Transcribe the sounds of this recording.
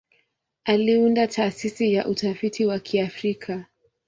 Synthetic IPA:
aliundatʰaːsisijaʔutafitiwakʰiafɾikʰa

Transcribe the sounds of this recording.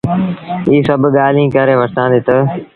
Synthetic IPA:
iːsəbɠaːlĩːkəɾeːʋəɾt̪ãːnd̪eːt̪ə

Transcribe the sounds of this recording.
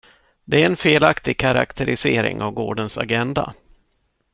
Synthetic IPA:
d̪ɛæɾɛnfeːlakt̪ɪɡ̚kʰaɾa̰kt̪ʰɛɾɪseːɾɪ̰ŋavɡoːɖənsa̰ɡɛnd̪a̰

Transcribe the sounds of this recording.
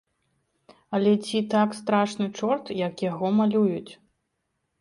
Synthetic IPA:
ɐlʲɛt͡sʲit̪akst̪ɾaʂnɨt͡ʂɔrt̪jɐkjaɣɔmalʲujut͡sʲ

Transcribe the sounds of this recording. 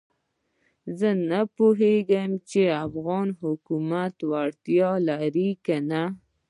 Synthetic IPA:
zənapoɦeɡajmt͡ʃeafɣɑnɦʊkumat̪waɽt̪jɑlaɾikana

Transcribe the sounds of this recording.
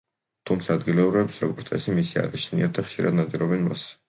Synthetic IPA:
t̪ʰumt̪sʰaːd̪ɡilɛuɾɛpsɾɔɡɔɾt̪sʼɛ̰simisia̰ɾit͡ʃʰniat̪̚d̪aχʃiɾa̰d̪nad̪iɾɔbɛnmas

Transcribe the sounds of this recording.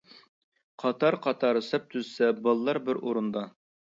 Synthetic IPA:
qʰɑt̪ʰɑɾqʰɑt̪ʰɑɾɨsɛp̚t̪ʰyzsɛbɑlˠlːˠɑɾbɪɾoɾund̪ɑ

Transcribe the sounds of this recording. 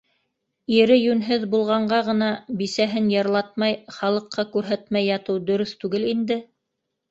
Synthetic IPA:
iɾɘjʉnɦɘðbulˠʁɑɴɢɑʁɤ̆nɑbisæɦɘnjɑɾlˠɑt̪̚mɑjχɑlˠɤ̆qːɑkʉɾɦæt̪mæjːɑt̪ɤwd̪ɵ̆ɾɵθt̪ʉɡɘlind̪ɘ

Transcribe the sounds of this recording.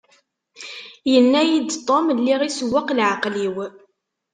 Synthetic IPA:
jənːæjid̪t̪ˤːomlːiʁisəwːaqlʕaqliw

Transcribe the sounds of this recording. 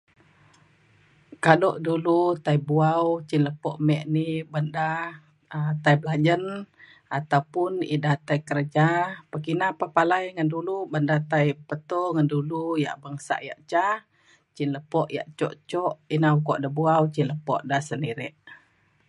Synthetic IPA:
kadɔʔdulut̪aibuawt͡ʃinləpɔʔmɛʔnibanda | t̪aiblad͡ʒən | at̪awpʊnḭdaht̪ajkəɾəd͡ʒapəkinapapalajŋəndulubəndat̪ajpət̪ɔŋanduluja̰ʔbaŋsa̰ʔja̰ʔt͡ʃah | t͡ʃinləpɔʔja̰ʔt͡ʃɔ̰ʔt͡ʃɔʔinaukɔʔdabuawt͡ʃinləpɔ̰ʔdahsəndiɾɛʔ

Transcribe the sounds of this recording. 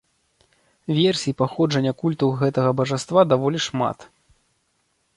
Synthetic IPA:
vʲɛrsʲiipaxɔʐɐnʲːɐkulʲt̪ɐwɣɛt̪ɐɣɐbɐʐast̪vad̪avɔlʲiʂma̰t̪

